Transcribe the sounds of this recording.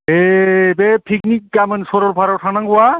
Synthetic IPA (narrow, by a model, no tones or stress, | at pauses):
ebepʰiknik̚ɡamensoɾoɾpʰaɾowʈʰanaŋɡua